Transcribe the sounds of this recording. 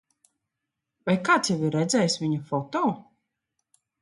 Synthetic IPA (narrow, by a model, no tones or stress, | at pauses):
vajkaːt̪sjɛviɾːɛd̪zʲɛjsvʲiɲufɔt̪ɔː